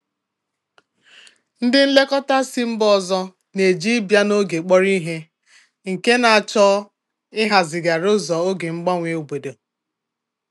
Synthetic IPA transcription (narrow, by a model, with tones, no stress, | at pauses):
n̩˦dɪ˦n̩˦le˦kɔ˦ta˦si˦m̩˦bɔ˦zɔ˦ | ne˨d͡ʒi˦bja˦no˦ɡe˨k͡pɔ˦ɾi˦ɦe˦ | ŋ̩˨ke˦na˨a˨t͡ʃɔ˦ | ɪ˦ɦa˨zɪ˨ɡa˨ɾo˦zɔ˨o˦ɡe˨ŋ͡m̩˦ɡ͡bɔ˦ŋʷe˦˨u˨ɡ͡be˨do˨